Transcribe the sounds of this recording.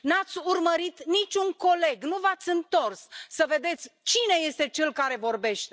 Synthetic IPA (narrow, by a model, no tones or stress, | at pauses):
nat̪sʲurməɾit̪nit͡ʃʲuŋko̞le̞ɡnuvat̪sʲɨnt̪o̞rsːəve̞d̪e̞t̪sʲt͡ʃine̞je̞st̪e̞t͡ʃe̞lkaɾe̞vo̞rbe̞ʃt̪e